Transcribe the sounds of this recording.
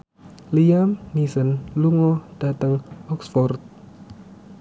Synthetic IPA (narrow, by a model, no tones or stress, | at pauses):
liamnisənluŋɔd̥at̪əŋɔksfɔrt̪̚